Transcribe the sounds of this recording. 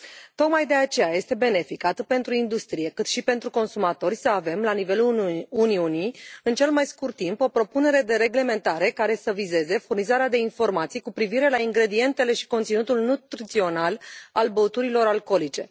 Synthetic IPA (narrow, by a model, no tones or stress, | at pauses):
t̪o̞kmajd̪e̞at͡ʃe̞jaje̞st̪e̞be̞ne̞fikat̪ɨt̪̚pe̞nt̪ɾuind̪ust̪ɾije̞kɨt̪ʃipe̞nt̪ɾuko̞nsumat̪o̞rʲsəave̞mlanive̞luuniunijɨnt͡ʃe̞lmajskurt̪ːimpo̞pɾo̞pune̞ɾe̞d̪e̞ɾe̞ɡle̞me̞nt̪aɾe̞kaɾe̞səvize̞ze̞furnizaɾead̪e̞info̞rmat̪sijkupɾiviɾe̞laiŋɡɾe̞d̪ie̞nt̪e̞le̞ʃi̥ko̞nt̪sinut̪ulnut̪ɾit̪sio̞nalalbəut̪uɾilo̞ɾalko̞lit͡ʃe̞̰